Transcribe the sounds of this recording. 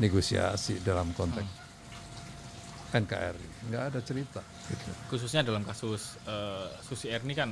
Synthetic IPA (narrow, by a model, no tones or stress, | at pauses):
neɡosia̰sidalamkɔnt̪ɛ | pɛnka̰ʔɛ̰rḭŋɡaːdat͡ʃəɾit̪a | ɡit̪ukus̬usɲadalamkasʊs | əːusiɛrnikan